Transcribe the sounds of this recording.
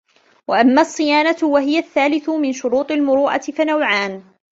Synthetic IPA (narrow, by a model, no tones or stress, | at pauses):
waʔamːaːɑsˤːɨjaːnatwaɦɪjaθːaːlɪθʊmɪnʃʊɾuːt̪ˤɪlmʊɾuːʔa̰t̪ɪfanawʕaːn